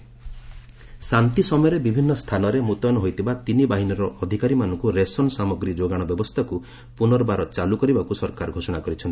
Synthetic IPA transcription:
sant̪isɔmɔjɔɾebibʱinːɔst̪ʰanɔɾemut̪jɔnɔɦojt̪ʰibat̪inibaɦinɔɾɔʔːd̪ʱikaɾimanɔŋkuɾesɔnsamɔɡɾid͡ʒoɡaɽ̃ɔbjɔbɔst̪ʰaku | punɔɾɔbaɾɔt͡ʃalukɔɾibakusɔɾkaɾɡʱosɔɽ̃akɔɾit͡ʃʰɔnt̪i̥

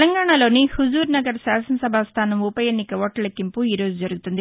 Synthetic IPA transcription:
lɐŋɡaːɳaːlo̞ːnihuzuːɾnɐɡɐɾsaːsɐnɐsɐbʱast̪ʰaːnɐmupɐjeːnːikɐʋoːʈɐlɐkːimpuiːɾo̞ːd͡ʒud͡ʒɐɾuɡut̪und̪i

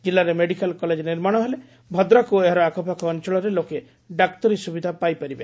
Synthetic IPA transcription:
d͡ʒilːaɾemeɽikalkɔled͡ʒniɾmaɽ̃ɔɦele | bʱɔd̪ɾɔkueɦaɾɔakɔpakɔːnt͡ʃɔɭɔɾeloke | ɖakt̪ɔɾisubid̪ʱapajpaɾibe

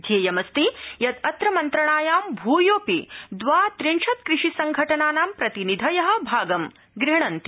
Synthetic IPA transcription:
d̪ʱjeːjɐmɐst̪ijɐt̪ɐt̪ɾɐmɐnt̪ɾɐɳaːjaːmbʱuːjoːpid̪ʋaːt̪ɾinʂʰɐt̪kɾɪʂisɐŋɡʱɐʈɐnaːnaːmpɾɐt̪inid̪ʱɐjɐɦɐ̆bʱaːɡɐm | ɡɾiɳ̃ɐnt̪i

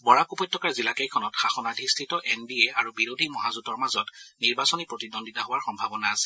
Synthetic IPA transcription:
bɔɹakupɔjtʰːɔkaɹzilakejkʰɔnɔtxaxɔnadʱistʰitɔʔɛnbieaɹubiɹodʱimɔɦazutɔɹmazɔtniɹbasɔnipɹotidonditaɦowaɹxɔmbʱabɔnaːsɛ̥

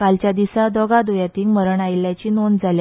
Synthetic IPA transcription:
kalt͡ɕjad̪isad̪ɔɡad̪ojat̪iːŋməɾəɳajiljat͡ɕiːnond͡zʱalja

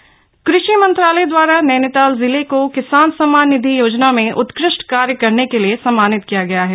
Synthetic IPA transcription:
kɾɪʃimɐ̃nt̪ɾaːləjd̪waːɾanɛːnɪt̪aːlzɪlekokɪsaːnsɐmaːnːɪd̪ʱijoːd͡ʒnamẽʔʊt̪kɾɪʃʈkaːɾjəkɐɾnekeliesɐmːaːnɪt̪kijaɡɐjaɦɛː

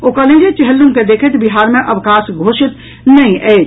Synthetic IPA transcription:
okɐlẽd͡ʒet͡ʃeɦəlːũmked̪eːkʰet̪ʰbiɦaːɾmẽʔɐʋkãːsɡʱoːʃɪt̪ | nɐɦĩʔɛːd͡ʒ

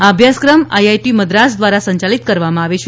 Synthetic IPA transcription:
abʱjaskɾəmajajʈiməd̪ɾasd̪ʋaɾasəɲt͡ʃalit̪kəɾʋamãaʋeʃʰ

